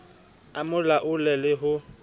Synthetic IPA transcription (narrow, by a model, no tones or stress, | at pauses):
amʊlaʔʊlɛlɪɦʊ